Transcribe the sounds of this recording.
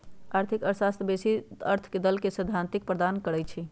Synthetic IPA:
aɾt̪ʰikəsast̪besiəɾt̪ʰked̪əlkesəd̪ʱant̪ik̚pɾəd̪ankəɾɛt͡ʃʰi

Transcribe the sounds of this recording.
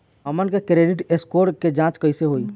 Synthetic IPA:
ɦəmənkekɾeɖiʈeskoɾked͡ʒãt͡ʃkəjseɦoj

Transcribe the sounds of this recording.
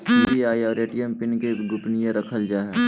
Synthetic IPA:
ebiaːiɔːɾeːʈijəmpɪnkeɡʊpnijãɾɐkʰəld͡ʒaːɦɛː

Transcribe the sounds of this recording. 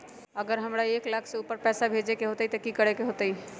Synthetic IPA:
əɡəɾɦəmɾaeklakʰseupəɾpɛːsabʱed͡ʒekeɦot̪əit̪ɔkikəɽekeɦot̪əi

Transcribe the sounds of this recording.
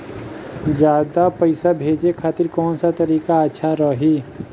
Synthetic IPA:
d͡ʒjaːd̪apəɪsabʱeːd͡ʒekʰaːt̪ɪɾkɔːnsat̪əɾiːkaətːʃʰaɾəɦi

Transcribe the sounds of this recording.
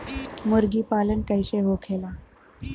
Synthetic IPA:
məɾɡiːpalənkəjɕeɦokʰela

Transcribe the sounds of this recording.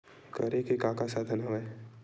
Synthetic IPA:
kɐɾekekaːkasaːd̪ʰʱənɐʋẽ

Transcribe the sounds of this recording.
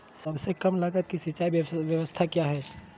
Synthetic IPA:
səbsekəmləɡət̪̚kisiːt͡ʃaibbjəʋəst̪ʰakjaɦɛ

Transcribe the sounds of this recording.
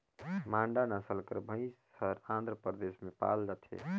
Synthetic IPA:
mãɳɖanasəlkəɾbʱəĩs | əɾãnd̪ʱɾəpɾd̪esmepa̰ld͡ʒat̪ʰɛ̰

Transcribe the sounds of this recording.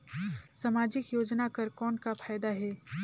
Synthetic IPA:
sɐmaːd͡ʒɪkjoːd͡ʒnakɐɾkɔːnkapʰaːjd̪aɦɛː

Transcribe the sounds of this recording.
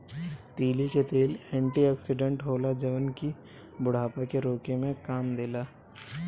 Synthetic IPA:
t̪iːliket̪eːlɛ̃ːɳʈiɛːksɪɖə̃ɳʈɦoːlad͡ʒɐʋənki | bʊɽ̤aːpakeɾoːkemẽkaːmd̪eːlaː

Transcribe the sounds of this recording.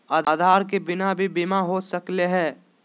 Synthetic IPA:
aːd̪ːd̪ʱaːɾkebɪnabʱibɪmaɦosəkleɦɛː

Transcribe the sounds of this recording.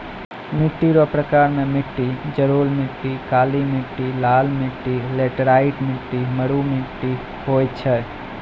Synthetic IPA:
mɪʈːiɾopɾəkaːɾmẽmɪʈːid͡ʒəɾoːlmɪʈːikaːlimɪʈːilaːlmɪʈːileːʈɾaːiʈmɪʈːiməɽumɪʈːi | hoːjt̪t͡ʃʰɛ

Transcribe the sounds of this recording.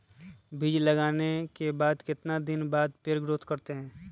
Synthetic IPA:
bʱɪd͡ʒləɡaːnekebaːd̪kɪt̪nad̪ɪnbaːd̪peɾɡɾoːt̪ʰkɐɾt̪eɦɛ̃ː

